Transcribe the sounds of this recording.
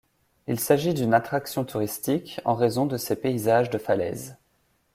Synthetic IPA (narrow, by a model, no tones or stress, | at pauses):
ilsaʒid̪ynat̪χaksjɔ̃t̪ʰuʁist̪ikɑ̃ʁezɔ̃d̪əsepeizaʒd̪əfalɛ̰z